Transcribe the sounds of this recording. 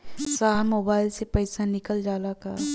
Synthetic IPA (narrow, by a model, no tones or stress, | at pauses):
saːɦmoːbaːɪlsepəɪsanɪkəld͡ʒaːlaka